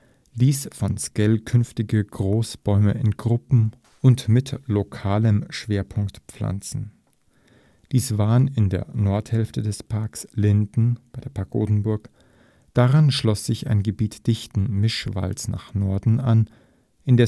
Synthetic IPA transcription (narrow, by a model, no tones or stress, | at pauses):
d̥iːsfɔnskɛlkʰʏnftɪɡəɡʁoːsb̥ɔʏmə̰ɪnɡʁʊpm̩ | ʔʊntmɪtlokʰaːləmʃv̥eːɐpʰʊŋktp͡fla̰nt͡sn̩ | d̥iːsv̥aːənɪndḛːɐnɔɐthɛlftədɛspʰaɐkslɪndn̩b̥aɪdeːɐpʰaɐko̰ːdn̩bʊɐk | d̥aʁanʃlɔsz̥ɪça̰ɪnɡəbiːtd̥ɪçtn̩mɪʃv̥a̰lsna̰ːχnɔɐdn̩an | ʔɪndɛ